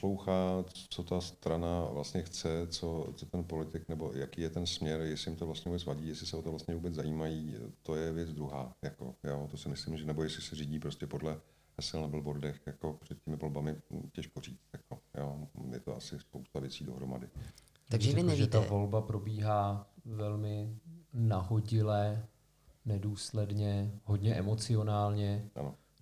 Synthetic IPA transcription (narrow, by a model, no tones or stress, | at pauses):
pslo̞wxaːt͡so̞t̪ast̪ɾanaavlast̪ɲɛxt͡sɛt͡so̞t͡sot̪ɛnpo̞lɪt̪ɪknɛbo̞jakiːjɛt̪ɛnsmɲɛɾjɛslɪjɪmt̪ovlast̪ɲɛuːbɛt͡svaɟiːjɛslɪsɛot̪ovlast̪ɲɛvuːbɛt͡szajiːmajiːt̪o̞jɛvjɛt͡sd͡zd̪ɾuɦa̰ːjako̞̰jot̪osɪmɪslɪmʒɛnɛbo̞jɛslɪsɛriːɟiːpɾo̞scɛpo̞dlɛ | ɦɛsɪlnabl̩bo̞ɾdɛxjako̞pr̥ɛt̪̚cɛmɪvo̞lbamɪcɛʃkoriːt͡st̪jakojoːjɛ̰t̪o̰ʔasɪspowst̪avjɛt͡siːdo̞ɦɾoma̰dɪ | t̪aɡʒɛʒɛt̪avo̞lbapɾo̞biːɦaːvɛlmɪnaɦoɟɪlɛ | nɛduːslɛdɲɛɦo̞dɲɛʔɛmo̞t͡sɪo̞naːlɲɛʔa̰no